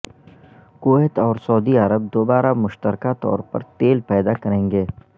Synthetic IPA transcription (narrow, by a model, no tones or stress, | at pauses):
koːɛt̪ɔːɾsɔːd̪iəɾəb̚d̪oːbaːɾamʊʃt̪əɾkat̪ɔ̰ːɾpɐ̰ɾt̪eːlpɛːd̪akɐɾẽːŋɡeː